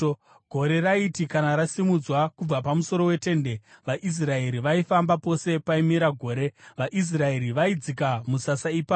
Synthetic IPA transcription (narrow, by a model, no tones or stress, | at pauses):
ɡʱo̞ɾe̞raitikanaɾasimud͡zwakub͡vapamuso̞ɾo̞we̞te̞ːnde̞ʋaʔis̬rae̞ɾiʋaifambapo̞se̞paimiɾaɡʱo̞ːɾe̞ʋaʔis̬rae̞ɾiʋaid͡zikamusasaipaː